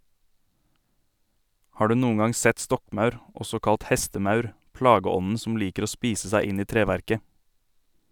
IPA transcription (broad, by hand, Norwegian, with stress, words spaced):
ˈhɑː ˈɖʉː ˈnuːŋ̍ ˈɡɑŋ ˈsɛt ˈstɔkˌmɑʉɾ ˈɔsɔ ˈkɑlt ˈhɛstəˌmɑʉɾ ˈplɑːɡəˌɔnn̩ sm̩ ˈliːkəɾ ˈoː ˈspiːsə ˈsæɪ ˈɪn ˈiː ˈtɾeːʋæɾkə